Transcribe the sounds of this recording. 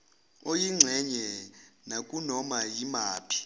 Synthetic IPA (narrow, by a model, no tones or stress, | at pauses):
ojiŋ͡ǀʱɛɲɛnakʼunɔmajimaːpʰi̥